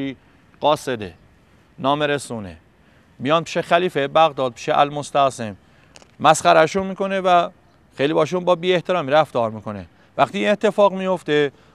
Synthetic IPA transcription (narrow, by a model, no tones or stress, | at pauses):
i | ɢ̥ɒːsed̪ḛ | nɒːmeɾesuːnḛ | mijɒːnpʰi̥ːʃexæliːfebæɣd̪ɒːd̪̚pʰi̥ʃeʔæ̰lmost̪æɣsem | mæsχæɾæʃunmiːkonevæ | xejlibɒːʃunbɒːbiːeht̪ʰeɾɒːmiɾæft̪ɒːɾmiːkʰo̞nḛ | væxt̪iːne̞t̪ʰːe̞fɒːɣmijoft̪e